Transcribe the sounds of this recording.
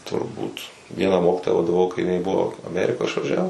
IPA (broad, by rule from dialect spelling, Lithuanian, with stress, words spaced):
tʊrˈbuːt ˈʋʲiɛnɑː ˈmoːkʲiːtoːjɛ ʋɐdɐˈʋɐʊ kɐɪ ɪˈnɐɪ ˈbʊʋoː ɐˈmʲæːrʲɪkoː ɪʃʋɐˈʒʲæːʋʊs